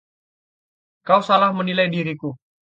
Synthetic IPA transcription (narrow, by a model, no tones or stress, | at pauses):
kausalahmənilajdiɾiku